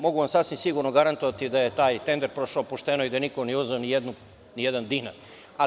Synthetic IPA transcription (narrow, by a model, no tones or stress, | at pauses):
mo̞ɡuʋamsasʋimsiɡuɾnoɡaɾant̪oʋat̪id̪aje̞t̪aːjt̪end̪eɾpɾo̞ʃaopuʃt̪enoid̪ajenikonɛuzeonijed̪nu | nijed̪and̪ina̰ | a